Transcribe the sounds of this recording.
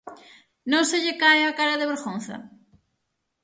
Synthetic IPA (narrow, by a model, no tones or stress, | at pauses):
nõŋseʎekaeakaɾaðeβeɾɣõnθɐ̰